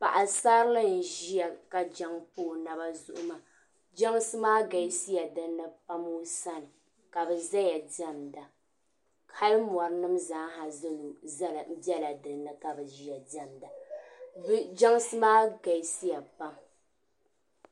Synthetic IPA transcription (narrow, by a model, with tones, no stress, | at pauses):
pa˨ʔa˨saː˦ɾɨ˦lɨ˦n̩˨ʒi˦ja˨ka˨d͡ʒa˦ŋpoː˦˨na˨ba˦zʊ̰˦ʔʊ˦ma˦ | d͡ʒa˦ŋsɨ˦maː˦ɡa˨jsi˦ja˨dɨ˦nɨ˦pa˦mu˦sa˦nɨ˨ | ka˨bɛ˨za˦ja˨dɛ˦mda˨ | kʰa˦lm˨ɔ˨ɾɨ˦nɨ˦mzaː˨˦ŋ˦ɦa˨zɨ˦lm̩˦bi˦ɛ˦la˨dɨ˨ɾɨ˨nɨ˦ka˨bɛ˨ʒi˦ja˨dɛ˦mda˨bd͡ʒa˦ŋsɨ˦maː˦ɡa˨˦si˦ja˨pa˦m